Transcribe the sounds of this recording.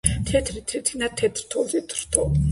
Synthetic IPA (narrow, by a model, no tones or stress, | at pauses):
t̪ʰɛt̪ʰɾit̪ʰɛt̪ʰinat̪ʰɛt̪ʰɾt̪ʰɔzit̪ʰɾt̪ʰɔ